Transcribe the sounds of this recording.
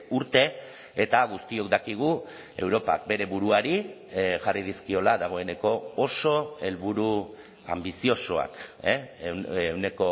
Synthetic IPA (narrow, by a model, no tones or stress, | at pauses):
uɾt̪e̞ | et̪aɣ̞ust̪io̞kd̪akiɣ̞u | e̞wɾo̞pa̰k̚be̞ɾe̞βuɾuaɾi | ʝarið̞iskio̞laðaɣ̞o̞e̞ne̞ko̞ːso̞e̞lβuɾu | a̰mbisio̞soa̰k | wne̞ko̞